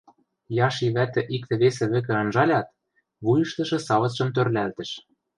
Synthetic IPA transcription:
jɑʃiβæt̪ɘ̆ʔik̚t̪ɘ̆βesɘ̆βɘ̆k̬ɘ̆ɤ̆nʒɑlʲɑt̪̚ | βujɤ̆ʃt̪ɤ̆ʃɤ̆sɑβɤ̆t͡sʃɤ̆mt̪ørlælt̪ɘ̆ʃ

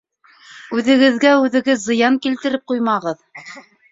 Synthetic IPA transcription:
ʉðɘ̆ɡɘ̆ðɡæʉðɘ̆ɡɘðzɤ̆jɑŋkilt̪ɘ̆ɾɘp̚qujmɑʁɤð

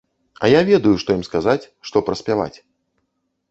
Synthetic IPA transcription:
ɐ̰javʲɛd̪ɐjuʂt̪ɔjimskazat͡sʲʂt̪ɔpɾɐsʲpʲava̰t͡sʲ

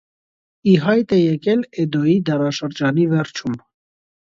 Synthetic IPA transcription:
iɦɑjt̪ɛjɛkɛlɛd̪ɔjid̪ɑɾɑʃəɾd͡ʒɑnivɛɾt͡ʃʰum

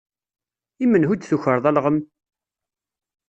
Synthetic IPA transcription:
imːənhud̪θuçəɾˤðˤælʁəm

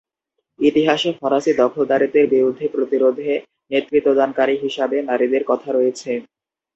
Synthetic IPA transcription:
it̪iɦaʃefɔɾaʃid̪ɔkʰold̪aɾit̪eɾbiɾud̪ʱːepɾot̪iɾod̪ʱe | net̪ːɾit̪ːod̪ankaɾiɦiʃabenaɾid̪eɾkɔt̪ʰaɾojet͡ɕʰe

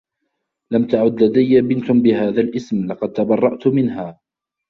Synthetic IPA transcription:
lamt̪aʕʊd̪lad̪ajːabɪnt̪ʊbɪɦaːðalʔɪsmlɑqɑd̪̚t̪abɑrˤːɑʔt̪ʊmɪnhaː

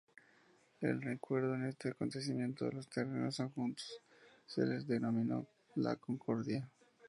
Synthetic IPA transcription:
e̞̰lrekwe̞ɾðo̞ene̞st̪e̞ako̞nt̪e̞s̬imje̞nt̪o̞̰ðelo̞st̪ereno̞soŋxunt̪o̥ssḛle̞zðe̞no̞mĩno̞̰ | la̰ko̞ŋkʰo̞ɾðja

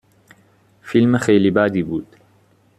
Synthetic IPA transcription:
filmaxejlibaːd̪iːbuːd̪̥

